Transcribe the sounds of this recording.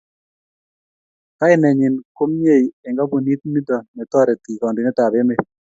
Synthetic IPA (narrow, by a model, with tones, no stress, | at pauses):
ka˦ɪ˦nɛ˨ɲɪ˨nko˦mɲe˦˨i˨ɛ˨ŋɡa˦bo˨ni˦t̪̚mi˦d̪ɔ˨nɛ˨t̪ɔ˦ɾɛ˨t̪i˨kɔ˨ndi˨nɛ˦t̪a˨be˦me˦